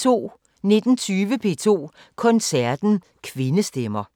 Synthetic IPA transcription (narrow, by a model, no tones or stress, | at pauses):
t͡sʰo̝̰ː | ne̝d̥n̩t͡sʰyːʋəpʰe̝̰ːt͡sʰo̝̰ː | kʰɒ̽nsæɐd̥n̩ | kʰʋe̝nəsd̥emɐ